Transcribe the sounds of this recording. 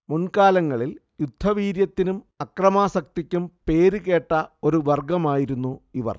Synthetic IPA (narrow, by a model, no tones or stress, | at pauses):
munkaːlɐŋːɐɭil | jud̪ʱːɐʋiːɾjɐt̪ːinum | ɐkrɐmaːsɐk̚t̪ikʲːumpe̞ːɾuke̞ːʈːɐo̞ɾuʋɐrɡɐmaːjiɾunːuiʋɐ̰r